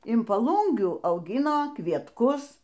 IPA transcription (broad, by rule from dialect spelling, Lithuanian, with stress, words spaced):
ɪn pɐˈlˠuːŋʲɡʲuː ɐʊˈɡʲɪnoː kʋʲiɛtˈkʊs